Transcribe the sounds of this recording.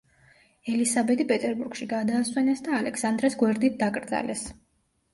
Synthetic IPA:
ɛlisabɛt̪ipʼɛt̪ʼɛɾbuɾɡ̥ʃiɡad̪aːswɛnɛsd̪aːlɛksand̪ɾɛsɡwɛɾd̪it̪̚ʰd̪akʼɾd̪za̰lɛs

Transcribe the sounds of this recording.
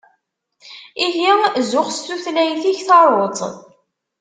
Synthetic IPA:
iɦizʊχst̪uθlæjθiçθɑɾˤot̪ˤ

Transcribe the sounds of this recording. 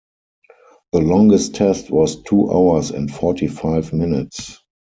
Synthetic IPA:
ðəlɔ̃ŋɡəstʰɛstʰwɔstʰuːʔa̰ʊə˞sɛ̰̃ntfɔtʰifaɪfmɪnɪts

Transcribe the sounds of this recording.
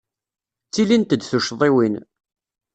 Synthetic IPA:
t͡sːilint̪əd̪θuʃðˤiwin

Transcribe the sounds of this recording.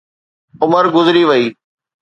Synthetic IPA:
ʊməɾɡʊzɾiʋɐiː

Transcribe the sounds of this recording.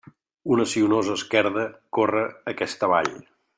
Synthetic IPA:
unəsiunozəːskɛɾðəkorəːkɛst̪əβa̰ʎ

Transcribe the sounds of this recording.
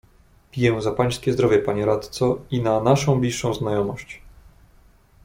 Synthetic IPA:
pʲijɛzapaj̃skʲɛzd̪ɾɔvʲjɛpaɲɛɾat̪t̪sɔinanaʂɔ̃w̃blʲiʂːɔ̃w̃znajɔmɔɕt͡ɕ

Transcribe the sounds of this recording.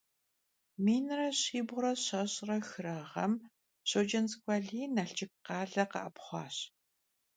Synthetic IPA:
miːnrɐɕiːbʁʷʊɾɐɕɐɕʼrɐxɨɾɐʁɐ̰m | ɕod͡ʒɐnzkʷʼɑːɮiːnaɬt͡ʃɪk̚qɑːɮɐqɐ̰ʔɐpχʷɑ̰ːɕ

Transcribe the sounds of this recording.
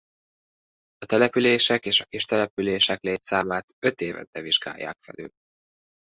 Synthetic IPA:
ɒt̪ɛlɛpyleːʃɛkeːʃɒkiʃt̪ɛlɛpyleːʃɛkleːt̪saːmaːt̪ø̞t̪eːvɛ̰nt̪ɛviʒɡa̰ːjːa̰ːkfɛ̰ly̰l

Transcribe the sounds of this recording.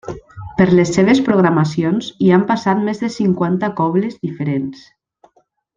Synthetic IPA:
pəɾlesːeβ̞espɾoɣɾamasionziampasat̪mezðesiŋkwant̪akɔβlezðifeɾens

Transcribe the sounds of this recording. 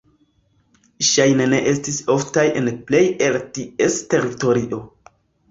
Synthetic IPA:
ʃajne̞ne̞ʔe̞stiso̞ftajʔe̞nple̞je̞ltie̞ste̞ɾito̞ɾiʔo̞

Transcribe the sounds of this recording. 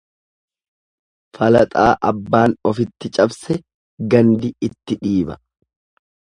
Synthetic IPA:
fɐlɐt̪ʼaːʔɐbːaːnɔfɪt̪ːɪt͡ʃʼɐbsɛ | ɡɐnd̪ɪɪt̪ːɪᶑiːbɐ̰

